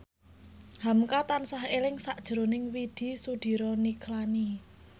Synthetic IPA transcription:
hamkat̪ansaɦelɪŋsaʔd̥ʒ̥ɾo̤nɪŋwid̪̥i̤sud̪̥i̤ɾɔniklani

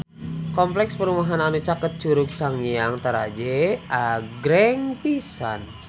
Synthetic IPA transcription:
kɔmplɛkspəɾumaɦananut͡ʃakət̪̚t͡ʃuɾuk̚saŋijaŋt̪əɾad͡ʒɛʔaɡɾɛŋpisa̰n

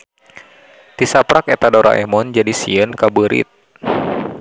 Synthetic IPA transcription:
t̪isapɾakɛt̪adɔɾʔa̰ʔɛmɔnd͡ʒadisiənkabəɾḭt̪̚

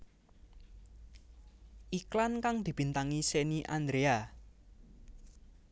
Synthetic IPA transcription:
ʔiklankaŋd̪̥i̤b̥i̤nt̪aŋiseniʔand̪ɾea

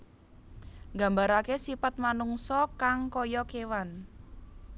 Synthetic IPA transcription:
ŋɡa̤mbaɾakesipat̪̚manuŋsɔkaŋkɔjɔkewan

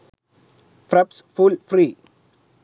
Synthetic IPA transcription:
fɾɛpsfulfɾiː

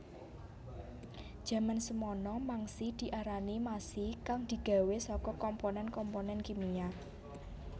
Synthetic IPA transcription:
d̥ʒ̥ä̤mansəmɔnɔmaŋsid̪̥i̤ʔaɾanimasikaŋd̪̥i̤ɡ̥a̤wesɔkɔkɔmponɛnkɔmponɛnkimija

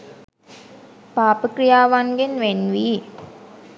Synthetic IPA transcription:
paːpəkɾijaːʋaŋɡenʋenʋiː

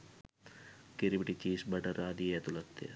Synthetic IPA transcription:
kiɾibiʈit͡ʃiːsbɐʈɐɾaːd̪ijɐt̪ulɐt̪ːḛ

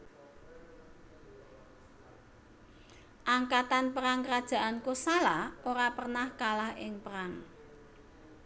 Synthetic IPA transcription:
ʔaŋkat̪anpəɾaŋkəɾad̥ʒ̥ä̤ʔankusalahoɾapərnahkalahɪŋpəɾaŋ

